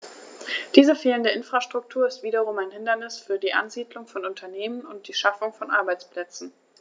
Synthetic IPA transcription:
d̥iːzəfeːləndəʔɪnfʁ̥aʃtʁ̥ʊk̚tʰuːɐɪstv̥iːdɐʁʊmaɪnhɪndɐnɪsfyːɐdiːʔa̰nziːdlʊŋfɔnʊntʰɐneːmənʊnt̚d̥iːʃafʊŋfɔnʔa̰ɐbaɪt͡spl̥ɛt͡sn̩

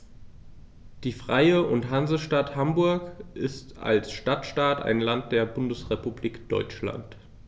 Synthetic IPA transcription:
d̥iːfʁ̥aɪəʔʊntɦanzəʃtathambʊɐkʔɪsta̰lsʃtatʃtaːta̰ɪnlant̚d̥eːɐbʊndəsʁepubliːkd̥ɔ̰ʏt͡ʃla̰nt

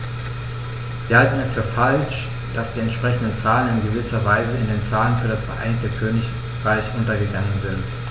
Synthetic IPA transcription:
viːɐhaltn̩ɛsfyːɐfalʃ | d̥asd̥iːɛntʃpʁ̥ɛçn̩dən̩t͡saːlənɪnɡəvɪsɐvaɪzəɪndeːnt͡saːlənfyːɐɾasfɛɐʔa̰ɪnɪçtəkʰøːnɪç | ʁaɪçʔʊntɐɡəɡaŋənzɪnt

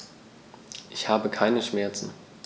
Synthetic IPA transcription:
ʔɪçhaːbəkʰaɪnəʃmɛɐt͡sn̩

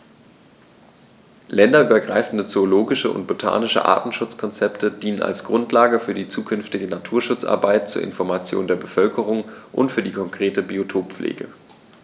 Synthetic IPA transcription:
lɛndɐʔyːbɐɡʁaɪfn̩dət͡sooloːɡɪʃəʊ̰nt̚b̥otʰa̰ːnɪʃə̰ʔa̰ɐtn̩ʃʊt͡skʰɔnt͡sɛptʰədiːnəna̰lsɡ̥ʁʊntlaːɡəfyːɐdiːt͡suːkʰʏnftɪɡənatʰuːɐʃʊt͡sʔa̰ɐbaɪtt͡suːɐɪ̰nfɔɐmat͡sjo̰ːndeːɐbəfœlkʰəʁ̞ʊŋʔʊ̰ntfyːɐdiːkʰɔŋkʁ̥eːtəbiotʰoːpp͡flʔḛːɡə̰

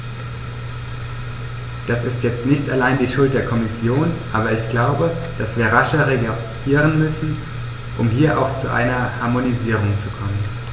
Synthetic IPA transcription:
d̥asɪstjɛt͡stnɪçtalaɪndiːʃʊlt̚d̥eːɐkʰɔmɪsjoːnʔaːbɐɪçɡ̥laʊbə | d̥asv̥iːɐʁaʃɐʁeɡa | iːʁ̞ənmʏsn̩ | ʔʊmɦiːɐʔa̰ʊxt͡suʔa̰ɪnɐhaɐmoniziːʁ̞ʊŋt͡sukʰɔmən

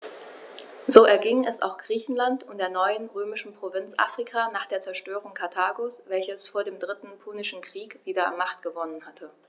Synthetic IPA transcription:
zoːʔɛɐɡɪŋɛsa̰ʊxɡ̥ʁiːçn̩lantʊntd̥eːɐnɔʏənʁøːmɪʃn̩pʁ̥ovɪnt͡sʔa̰ːfʁ̥ikʰaːnaːχd̥eːɐt͡sɛɐʃtøːʁ̞ʊŋkʰaɐtʰaːɡosv̥ɛlçəsfoːɐdeːmdʁɪtn̩pʰunɪʃn̩kʁ̥iːkv̥iːdɐa̰nmaχtɡ̥əvɔnənhatʰə

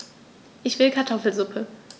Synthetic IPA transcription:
ʔɪçv̥ɪlkʰaɐtʰɔfl̩zʊpʰə

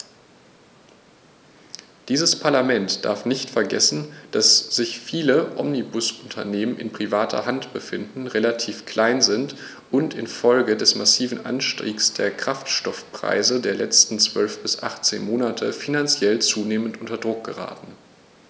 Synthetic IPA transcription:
d̥iːzəspʰaɐlamɛntd̥a̰ɐfnɪçtfɛɐɡɛsn̩d̥asz̥ɪçfiːləʔɔ̰mnibʊsʔʊntʰɐneːmənʔɪ̰npʁ̥ivaːtʰɐ̰ɦantb̥əfɪndn̩ʁelatʰiːfkʰl̥aɪnzɪnt | ʔʊntɪnfɔlɡədɛsmasiːvn̩ʔa̰nʃtʁḭːksd̥eːɐkʁ̥aftʃtɔfpʁ̥a̰ɪzədeːɐlɛt͡stn̩t͡sv̥œlfb̥ɪsʔa̰χt͡sḛːnmoːnatʰəfinant͡sjɛlt͡suːneːməntʔʊntɐdʁʊk̚ɡ̥əʁa̰ːtn̩

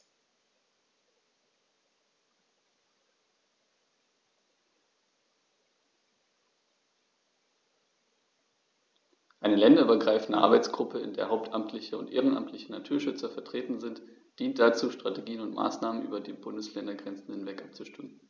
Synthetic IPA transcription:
ʔaɪnəlɛndɐyːbɐɡʁaɪfn̩dəʔa̰ɐbaɪt͡sɡ̥ʁʊpəɪ̰ndḛːɐɦaʊp̚tʰʔamtʰlɪçəʊntʔḛːʁənʔa̰mtʰlɪçənatʰuːɐʃʏt͡sɐfɛɐtʁ̥eːtn̩zɪnt | d̥iːnt̚d̥at͡suːʃtʁ̥ateɡiːənʊntmʔa̰ːsnaːmənʔy̰ːbɐdeːnbʊndəslɛndɐɡʁɛnt͡sn̩hɪnvɛkʔap̚t͡suʃtʏmən

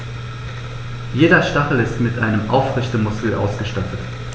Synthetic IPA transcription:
jeːdɐʃtaχl̩ɪstmɪtʔaɪnəmʔa̰ʊfʁɪçtəmʊskl̩ʔa̰ʊsɡ̥əʃtatʰət

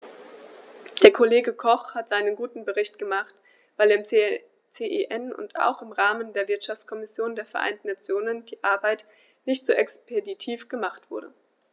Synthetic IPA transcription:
d̥eːɐkʰoleːɡəkʰɔχhatz̥aɪnənɡuːtn̩bəʁɪçtɡ̥əmaχt | v̥aɪlːɐɪm | t͡seʔeʔɛnʊ̰nta̰ʊxɪmʁaːməndeːɐvɪɐtʃaft͡skʰɔmɪsjoːndeːɐfɛɐʔa̰ɪntn̩nat͡sjoːnənd̥iːʔaɐbaɪt | nɪçtz̥oːʔɛkspʰeditʰiːfɡ̥əmaχtv̥ʊɐɾə̰

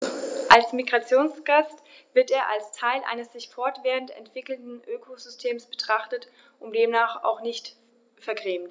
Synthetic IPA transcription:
ʔalsmiɡʁat͡sjoːnsɡ̥ast | v̥ɪɐteːɐʔa̰lstʰaɪlʔa̰ɪnəsz̥ɪçfɔɐtv̥eːʁəntɛ̰ntv̥ɪkl̩dn̩ʔøːkʰozʏstʰeːmsb̥ətʁ̥aχtət | ʔʊnd̥eːmnaːχa̰ʊxnɪçt | fɛɐɡʁeːmt

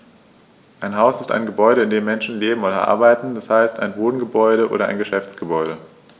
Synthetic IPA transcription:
ʔaɪnɦaʊsɪsta̰ɪnɡəbɔʏɾəɪndeːmːɛnʃn̩leːbm̩ʔoːɾɐ̰ʔa̰ɐbaɪtn̩d̥ashaɪstʰa̰ɪnboːdn̩ɡəbɔʏɾəʔo̰ːɾɐʔa̰ɪnɡəʃɛft͡sɡ̥əbɔʏɾə

